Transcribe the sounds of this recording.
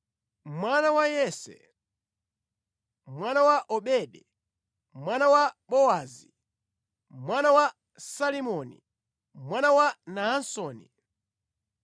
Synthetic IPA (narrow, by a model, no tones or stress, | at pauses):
mwanawajɛsɛ̰ | mwanawaʔɔɓɛɗɛ | mwanawaɓɔazi | mwanawa | salimɔnḭ | mwanawanaansɔːnḭ